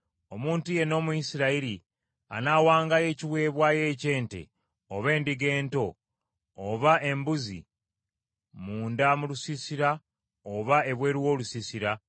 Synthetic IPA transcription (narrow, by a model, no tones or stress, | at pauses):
o̞muːntuje̞no̞ːmujisiɾaiɾi | a̰nawaːŋɡaje̞ːciwe̞ːβwaːje̞ːce̞ːnte̞̰ | oβe̞ːndiɡe̞ːnto̞ː | βaʔe̞mbuzḭ | muːndamulusisiɾa | oβae̞βwe̞ːɾiwo̞ːlusisiɾa